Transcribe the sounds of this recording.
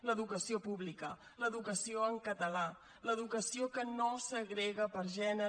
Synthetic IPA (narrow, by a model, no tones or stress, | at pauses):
ləðukəsiopuβlikə | ləðukəsioəŋkət̪əla | ləðukəsiokənosəɣɾeɣəpəɾʒɛnə